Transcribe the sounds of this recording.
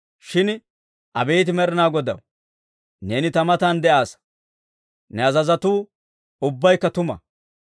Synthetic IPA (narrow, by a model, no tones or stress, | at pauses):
ʃɪn | ʔɐ̰beːt̪ɪmɛɾɪnaːɡɔd̪ɐ̰w | ne̞ːnɪt̪ɐmɐt̪aːnd̪ɛʔaːs | nɛɐzɐzɐt̪uː | ʊbːɐjkːɐt̪ʊmɐ̰